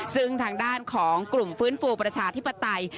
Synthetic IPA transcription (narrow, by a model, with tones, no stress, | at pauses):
sɯ˥˩ŋt̪ʰaː˧ŋdaː˥˩nkʰɔː˩˦ŋklu˨˩mfɯː˦˥nfuː˧pɾa˧t͡ɕʰaː˧t̪ʰi˦˥pːa˧t̪a˧j